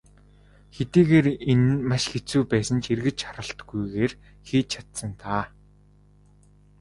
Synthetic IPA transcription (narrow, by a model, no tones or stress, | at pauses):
xet̪iːɣeːɾenmaʃxet͡suːpæːsə̆nt͡ɕerɣɘ̆t͡ɕχaɾə̆ɬt̪ɡujɣeːr | xiːt͡ɕʰat̪sə̆nt̪ʰaː